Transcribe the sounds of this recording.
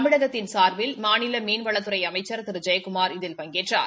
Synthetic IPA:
mɪɽɐɣɐtt̪ːɪnsaːɾʋɪlmaːnɪlɐmiːnʋɐɭɐt̪ːɯɾɐɪɐmɐɪt͡ʃːɐɾt̪ɪɾɯd͡ʒɐjɐkʊmaːɾɪðɪlpɐŋɡeːʈra̰ːɾ

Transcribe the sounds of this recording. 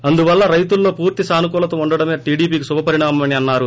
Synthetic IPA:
ɐnd̪uʋɐlːɐɾɐjt̪ulːo̞ːpuːɾt̪isaːnuk̬uːlɐt̪ɐuɳɖɐɽɐmeːʈiːɖiːpiːkisubʱɐpɐɾiɳaːmɐmɐniɐnːaːɾu

